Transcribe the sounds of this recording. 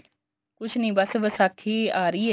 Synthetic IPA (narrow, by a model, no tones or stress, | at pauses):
kʊt͡ʃʰnĩːbəsʋəsakʰiːaːɾəiː